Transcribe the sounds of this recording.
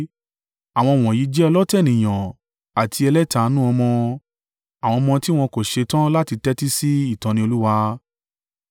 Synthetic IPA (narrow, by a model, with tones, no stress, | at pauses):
a˨w̃ɔ̃˧˨w̃ɔ̃˨i˨˦d͡ʒɛ˦˧lɔ˦tɛ˦˨nĩ˨j̃ã˨ | a˨tʰi˧ɛ˧lɛ˦ta˨˦nũ˦ɔ˧mɔ̃˧ | a˨w̃ɔ̃˧mɔ̃˧ti˦w̃ɔ̃˧ko˨ʃe˧tã˦la˦ti˧tɛ˦ti˦si˦i˦˨tɔ̃˨˦nĩ˧o˧lu˦wa˧